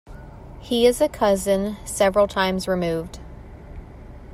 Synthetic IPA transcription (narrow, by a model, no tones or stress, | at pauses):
hiɪzɨkʰʌzɨ̃nsɛvɹl̩ˠtʰãɪ̃mzɹɨmʉvd̥